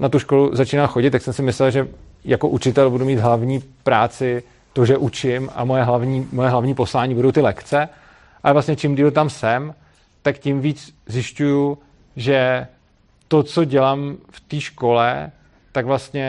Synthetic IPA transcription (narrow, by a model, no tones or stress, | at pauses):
nat̪uʃko̞luzat͡ʃiːnamxo̞ɟɪt̪ːjaksɛmsɪmɪslɛlʒɛ | jakoʔut͡ʃɪt̪ɛlbudumiːd̪ɦlavɲiːpɾaːt͡sɪ | t̪o̞ʒɛʔut͡ʃɪma̰mojɛɦlavɲiːmojɛɦlavɲiːpo̞slaːɲiːbudowt̪ɪlɛkt͡sɛ | ʔalɛvlast̪ɲɛt͡ʃɪmdiːlt̪amsɛm | t̪akcɪmviːt͡szjɪʃcuju | ʒɛ | t̪o̞t͡so̞ɟɛlaːmft̪iːʃko̞lɛ | t̪aɡvlast̪ɲɛ